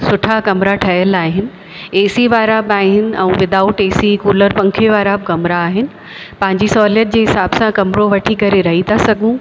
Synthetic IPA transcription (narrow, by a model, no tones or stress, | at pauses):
sʊʈʰakɐmɾaʈʰɐɦjəlaːɦɪnɪ̆ | eːsiʋaːɾabɪaːɦɪnɪ̆ɛ̃ũʋɪd̪aːʊʈeːsikuːləɾpɐ̃ŋkʰeʋaːɾabɪkɐmɾaːɦɪnɪ̆ | pɐ̃ɦɪ̃ɲd͡ʑisɔːljət̪̚d͡ʑeːɦɪsaːbsãkɐmɾoʋɐʈʰikɐɾeɾɐɦit̪ʰasɐɡʱũ